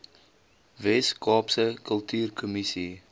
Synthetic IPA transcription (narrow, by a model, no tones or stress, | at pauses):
vɛskʰɑːpsəkʰəlˠtʰyːrkʰumisi